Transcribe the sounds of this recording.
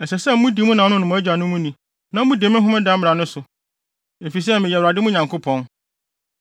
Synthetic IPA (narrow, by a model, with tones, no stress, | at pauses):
ɛ˨sɛ˨sɛ˦m̩˦mũ˦di˨mũ˦nã˨˦nʊ̃˦nʊ̃˨m̃˨˦æ˦d͡ʑᶣa˨nʊ̃˦mũ˦nĩ˨ | nã˦m̩˦mũ˦de˨˦mɪ̃˦ɦʊ̃˦mɛ̃˦dã˦m˦m˨ɾa˨nʊ̃˦sʊ˨ | e˨fi˨s̬ɛ˦mɪ̃˨jɛ˨wɾa˨dɪ˦mʊ̃˦ɲã˨ŋkʰʊ˦pʰɔ̃˦n